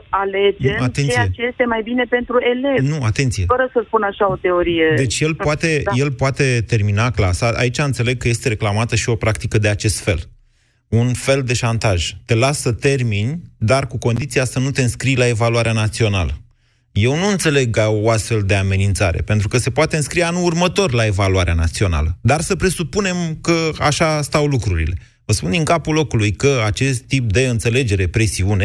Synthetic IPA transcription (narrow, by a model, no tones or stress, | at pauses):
ale̞d͡ʒeat̪e̞nt͡ʃ̪esiet͡ʃejest̪e̞majbine̞pe̞nt̪ɾue̞le̞nuat̪e̞nt̪sijefəɾəsəspunaʃao̞t̪e̞o̞ɾije̞d̪e̞t͡ʃje̞lpoat̪e̞je̞lpoat̪e̞t̪e̞rminaklasaa̰it͡ʃaɨnt̪se̞le̞ɡ̚kːəje̞st̪e̞ɾe̞klamat̪əʃio̞pɾakt̪ikəd̪e̞at͡ʃe̞st̪fe̞̰l | unfe̞ld̪e̞ʃant̪aʒ̥t̪e̞lasət̪e̞rminʲd̪arkuko̞nd̪it̪siasənut̪e̞ɨnskɾijlae̞valuaɾeanat̪sio̞na̰lə̰ | je̞wnuɨnt̪se̞le̞ɡaoast̪fe̞ld̪e̞ame̞nint̪saɾe̞̰pent̪ɾukəse̞poat̪eɨnskɾijanuurmət̪o̞rlae̞valuaɾeanat̪sio̞na̰ləd̪arsəpɾe̞supune̞mkəa̰ʃast̪awlukɾuɾḭle̞ | vəspund̪iŋkapulo̞kulujkəat͡ʃe̞st̪ːip̚d̪e̞ɨnt̪se̞le̞d͡ʒe̞ɾe̞pɾe̞siune̞